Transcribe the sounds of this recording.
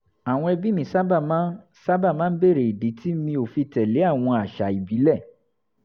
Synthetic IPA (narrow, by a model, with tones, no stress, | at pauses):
a˨w̃ɔ̃˧ɛ˧bi˦mĩ˨˦sa˦ba˦˨mã˦ | sa˦ba˦˨mãː˦be˦˨ɾe˨i˨di˨˦ti˦mĩ˧˦o˨fi˧tɛ˨le˨˦a˦˨w̃ɔ̃˧a˨ʃa˨i˨bi˨˦lɛ˦˨